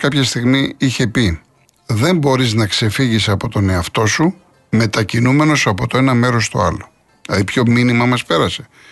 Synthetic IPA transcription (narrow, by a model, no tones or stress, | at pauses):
kɐpçɐst̪iɣmiiçe̞pi | ðe̞mbo̞ɾiznɐkse̞fiʝisɐpo̞t̪one̞ɐft̪o̞su | me̞t̪ɐcinume̞no̞sɐpo̞t̪oe̞nɐme̞ɾo̞st̪o̞̰ɐlo̞ | lɐðipço̞minimɐmɐspe̞ɾɐse̞̥